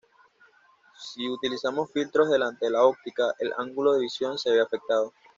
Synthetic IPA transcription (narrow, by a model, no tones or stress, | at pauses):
siut̪ilisamo̞sfilt̪ɾo̞zðe̞lant̪eðelao̞k̚t̪ikaʔelʔa̰ŋɡulo̞ðe̞βisjo̞nse̞βeafe̞k̚t̪að̞o